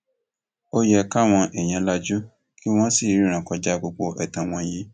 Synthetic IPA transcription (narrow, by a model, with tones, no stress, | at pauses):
o˦jɛ˧ka˦˨w̃ɔ̃˧ʔɛ˨j̃ã˧la˧d͡ʒu˦ | ki˦w̃ɔ̃˦si˦˨ɾĩ˦ɾ̃ã˨kɔ˧d͡ʒa˦ɡ͡bo˧ɡ͡bo˧ʔɛ˨tã˨w̃ɔ̃˧jĩ˧˦